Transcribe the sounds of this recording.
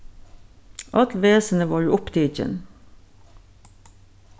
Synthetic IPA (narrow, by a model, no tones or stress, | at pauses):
ʔɑt̪ʋeːsən̩əʋɑːjuːʊpd̪ʰiːc͡çə̰n